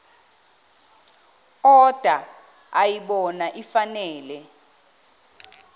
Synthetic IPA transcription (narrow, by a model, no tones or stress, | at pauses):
ɔd̥ʱa | ajiɓɔnaʔifanɛːlɛ